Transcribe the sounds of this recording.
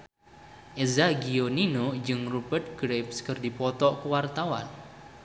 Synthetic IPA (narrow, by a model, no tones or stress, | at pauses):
ʔezaɡijoninod͡ʒɨŋrubərt̪̚ɡ̥ɾep̚skərdipɔt̪ɔʔkəwart̪awa̰n